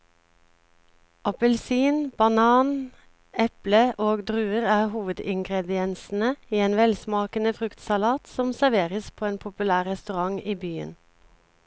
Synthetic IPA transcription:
ʔɑpəlsiːnb̥ɑnɑːn | ɛpləʔoːɡd̪ʁʉːəʁæːʁhuːʋəd̪ɪŋɡʁɛd̪ɪɛnsn̩əiːeːnʋɛlsmɑːkənəfʁʉkt̪sɑlɑːt̪sɔmsæʋeːʁəspʰoːeːnpʰʊpʉlæːʁʁɛst̪ʉʁɑŋiːbyːə̰n

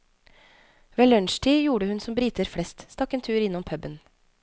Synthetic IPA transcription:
ʋeːlœɳʃʈʰiːjuːɽəhʉnsɔmbɾiːt̪əɾfɽɛst̪st̪ɑkːeːnt̪ʰʉːɾjɪnːɔmpʰœbən

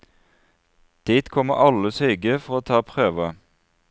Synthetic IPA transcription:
d̪̥iːt̪kʰɔməʔɑləsyːɡəfɔʁoːt̪ʰɑːpʰʁøːʋə

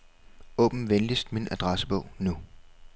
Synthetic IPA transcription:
ɔ̰̽ːb̥m̩ʋend̥isd̥minæd̥ʁɑsəb̥ɔ̽ʊ̰nu

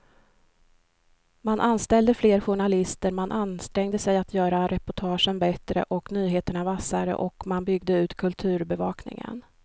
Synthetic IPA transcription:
manʔanst̪ɛld̪əfleːɾɧʊɳalɪst̪əɾmanʔanst̪ɾɛŋd̪əsɛjat̪ʰjœːɾaɾɛpʊʈʰɑːʂənbɛt̪ɾə̰ʔɔknyːɦeːt̪əɳavasaɾə̰ʔɔkmanbʏɡd̪əʉ̟ːt̪kʰɵlt̪ʰʉ̟ːɾbɛvɑːknɪ̰ŋə̰n

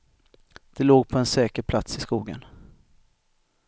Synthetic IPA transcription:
d̪̥ɛloːɡ̚pʰɔɛnsɛːkəɾpʰlat̪sɪskuːɡə̰n

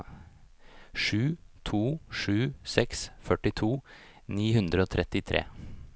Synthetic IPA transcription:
ʂʉːt̪ʰuːʂʉːsɛksfœʈɪt̪ʰuː | niːɦʉnd̪ɾəoːt̪ʰɾɛt̪ɪt̪ʰɾḛː

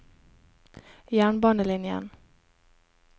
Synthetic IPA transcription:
jæːɳbɑːnəlɪnjə̰n

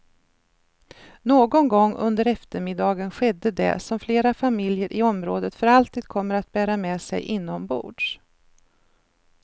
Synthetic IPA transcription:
noːɡɔnɡɔŋːɵ̰nd̪əɾɛft̪əɾmɪd̪ɑːɡənɧɛd̪ːəd̪ɛ̰sɔmfleːɾafamɪljəɾʔɪɔmɾoːd̪ət̪fœɾalt̪iːd̪̚kʰɔmːəɾat̪̚bæːɾamɛːsɛ̰jʔɪnːɔmbṵːɖʂ

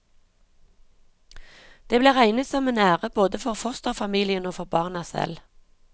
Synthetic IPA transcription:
d̪̥eːbleːʁæɪnət̪sɔmenæːʁəboːd̪əfɔʁfɔʁst̪oːfɑmiːlɪənoːfɔʁbɑːʁnɑsɛ̰l

